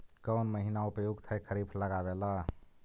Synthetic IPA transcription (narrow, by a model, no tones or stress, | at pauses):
kənməɦinaupjuɡt̪ʰəjkʰəɾipʰləɡabela